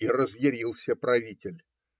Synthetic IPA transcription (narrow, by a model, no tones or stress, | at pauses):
irəzjɪɾʲilˠsʲəpɾɐvʲitʲɪlʲ